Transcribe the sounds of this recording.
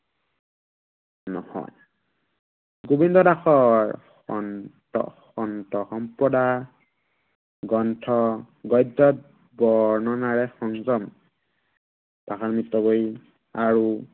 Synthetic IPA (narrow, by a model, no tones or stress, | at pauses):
nɔhɔ̰j | ɡubindɔdaxɔɹ | xɔ̰ntɔ̰xɔntɔxɔmpɔda | ɡɔntʰɔ | ɡɔjdːɔt̚ | bɔɹnɔnaɹɛxɔŋzɔm | paxaɹmitːɔboji | aɹu